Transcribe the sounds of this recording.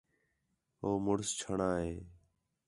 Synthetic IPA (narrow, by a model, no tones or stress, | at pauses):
ɦoːmʊɽst͡ʃʰəɳaːɦeː